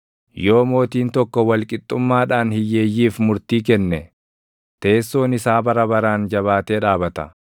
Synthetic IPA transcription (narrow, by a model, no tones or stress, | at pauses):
jo̞ːmo̞ːt̪iːnt̪ɔkːɔwɐlkʼɪt̪ʼːʊmːaːᶑaːnhɪjːe̞ːjːiːfmʊɾt̪iːkɛnːɛ | t̪e̞ːsːo̞ːnɪsaːbɐɾɐbɐɾaːnd͡ʒɐβaːt̪eːᶑaːbɐt̪ɐ̰